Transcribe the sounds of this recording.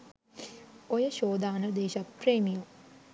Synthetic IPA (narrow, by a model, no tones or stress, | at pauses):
ojəʃoːd̪aːnəd̪eːʃapreːmiju